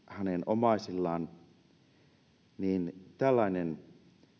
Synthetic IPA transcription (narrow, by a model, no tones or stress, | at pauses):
hænenomɑˑisilːɑːn | niːnt̪ælːɑinen